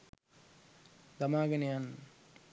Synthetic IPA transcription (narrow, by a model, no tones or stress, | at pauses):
d̪ɐmaːɡɐnjaːn